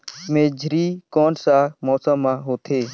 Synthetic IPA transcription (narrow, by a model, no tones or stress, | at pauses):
mẽːd͡ʒʱɾiːkoːnsãːmɔːsəmːãːɦoːt̪ʰeː